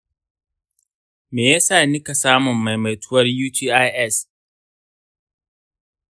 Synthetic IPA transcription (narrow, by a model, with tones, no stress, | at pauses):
meː˨ja˦saː˦˨nɪ˦ka˨saː˦mʊ˨mːa˨jma˨jtʊ˦wɐ˦rjuː˦tʰiː˦ʔa˦ʔɛ˦˨s